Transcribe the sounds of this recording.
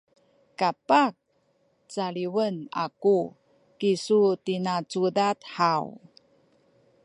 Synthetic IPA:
kapak̚ | t͡saɭiwəna̰ku | kisutinat͡sudatħaw

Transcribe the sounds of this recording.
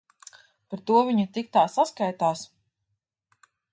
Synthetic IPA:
paɾt̪uɔvʲiɲut̪ik̚t̪aːsaskajt̪aːs

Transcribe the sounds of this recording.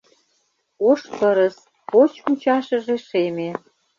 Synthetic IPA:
oʃpəɾə̆s | pot͡ɕut͡ɕɑʃə̆ʒeʃeme

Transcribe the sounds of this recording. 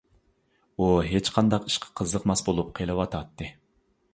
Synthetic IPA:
uɦet͡ʃqʰɑnd̪ɑqi̥ʃqʰɑ̥qʰəzlˠəqmɑsbolˠup̚qʰelˠɨwɑt̪ʰɑt̪ʰːɨ

